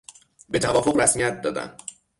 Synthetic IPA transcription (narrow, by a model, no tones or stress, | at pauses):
be̞t̪ʰævɒːfoɣɾæsmijæt̪̚d̪ɒːd̪æ̰n